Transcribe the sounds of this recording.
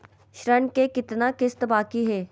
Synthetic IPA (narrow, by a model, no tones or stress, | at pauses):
ʃɾəɳkekɪt̪nakɪst̪baːkiɦɛː